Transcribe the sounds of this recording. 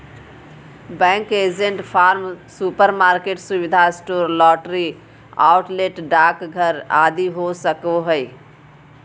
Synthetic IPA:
bɛ̃ŋked͡ʒeɳʈpʰaːɾmsupəɾmaɾkeʈsubid̪ʱasʈoːɾlɔːʈɾi | a̰ʊʈleʈɖakɡʱəɾa̰d̪iɦosəkɔɦəj

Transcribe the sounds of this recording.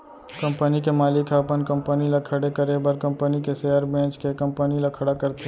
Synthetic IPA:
kɐ̃mpənikemaːlɪkʰɐpənkə̃mpənilakʰəɽekəɾebəɾkɐ̃mpənikeseːjəɾbɛ̃ːt͡ʃkekɐ̃mpənilakʰɐɽakəɾt̪e

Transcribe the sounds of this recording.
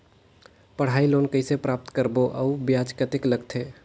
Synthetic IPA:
pəɽ̤ailonkəsepɾap̚t̪kəɾboʔə̰ubjad͡ʒkət̪ikləɡt̪ʰe

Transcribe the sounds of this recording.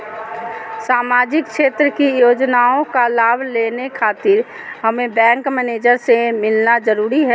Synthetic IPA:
saːmaːd͡ʒɪk̚ʃeːt̪ɾəkijoːd͡ʒnaːõkalaːbʱleːnekʰaːt̪ɪɾ | ɦəmẽbɛ̃ːŋkmɛːneːd͡ʒəɾsemɪlnad͡ʒəɾuːɾiɦɛ

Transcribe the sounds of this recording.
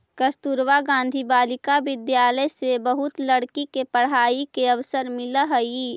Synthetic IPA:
kəst̪uɾʋaɡãːn̆d̪ʱibaːlɪkaʋɪd̪jaːləjsebəɦʊt̪ləɽkikepəɽ̤aːikeɐʋsəɾmɪləɦəi

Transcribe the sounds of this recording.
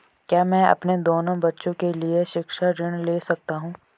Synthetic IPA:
kjaːmɛ̃ːɐ̰pned̪oːnõbɐtːʃõkelieʃɪkʃaɾɪɽ̃leːsɐk̚t̪aɦũː

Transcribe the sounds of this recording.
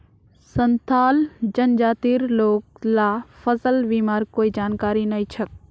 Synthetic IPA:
sənt̪ʰaːld͡ʒɐnd͡ʒaːt̪iːɾloːk̚laːfəsəlʋiːmaːɾkoːid͡ʒaːnkaːɾinɐit͡ʃʰək̚

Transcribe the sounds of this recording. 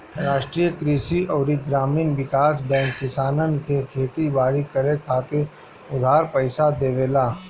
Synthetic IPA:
ɾaːʃʈɾiːjəkɾiːʃiɔːɾiɡɾaːmiːnʋɪkaːsbɛ̃ːŋkːɪsaːnənkekʰeːt̪ibaːɾikəɾekʰaːt̪e | ʊd̪ʱaːɾpəɪsad̪eːʋeːlaː

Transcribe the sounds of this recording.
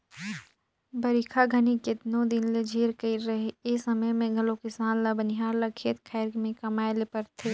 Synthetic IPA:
bɐɾikʰaɡʱɐniket̪nõd̪ɪnled͡ʒʱeːɾkəiɾɾɐɦeesɐməjmẽɡʱɐlokɪsaːnlabənɪɦaːɾlakʰeːt̪kʰɛːɾmẽkɐmaːelepɐɾt̪ʰeː

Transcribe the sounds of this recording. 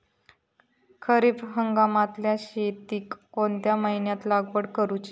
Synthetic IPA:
kʰəɾiːbɦəŋɡamat̪ljaɕet̪iːkːoɳt̪jaməɦinjat̪laɡʋəɽkəɾut͡ɕi

